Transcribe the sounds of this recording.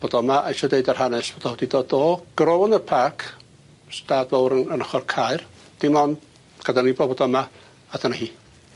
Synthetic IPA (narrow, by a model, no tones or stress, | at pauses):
b̥odɔmaʔajʃɔdeɨdar̥hanɛsb̥ɔd̥ɔhɔdidodoːɡ̥rɔɔnərpʰakʰ | staːdvowɾəənəχɔrkʰaɨr | d̥ɪmɔn | ɡ̥adanibɔbɔdɔma | adanahiː